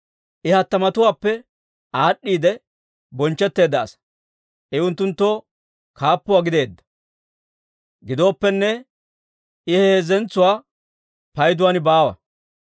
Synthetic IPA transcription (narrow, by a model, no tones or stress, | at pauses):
ʔɪhɐt̪ːɐmɐt̪ʊwaːpːɛ | aːɗːiːd̪ɛ | bɔnt͡ʃːɛt̪ːe̞ːd̪ɐ̰ːsɐ̥ | ʔɛʊnt̪ːʊnt̪ːo̞ː | kʰaːpːʊwaːɡɪd̪e̞ːd̪ːɐ̥ | ɡɪd̪o̞ːpːɛnːɛ | ʔɪheːzɛnt͡sːʊwaː | pɐjd̪ʊwaːnɪbaːwɐ̰